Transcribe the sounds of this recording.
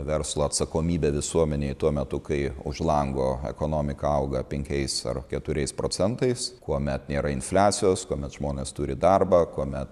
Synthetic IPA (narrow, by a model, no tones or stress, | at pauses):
ʋʲɛɾslˠoːɐt̪sɐkoːmʲiːbʲɛːʋʲɪsuɔmʲɛnʲeːt̪uɔmʲɛt̪ʊkɐɪʊ̰ʒlˠɐŋɡoːɛ̰koːnoːmʲɪkɐɐʊɡɐpʲɛŋʲkʲɛɪsɐ̰rkʲɛt̪ʊɾʲɛɪspɾoːt͡s̪ʲɛnt̪ɐɪskuɔmʲɛt̪nʲeːɾɐɪnfʲlʲaːsʲɪjoːskuɔmʲɛt̪ʒ̥moːnʲeːst̪uːɾʲɪd̪ɐrbɐːkuɔmʲɛt̪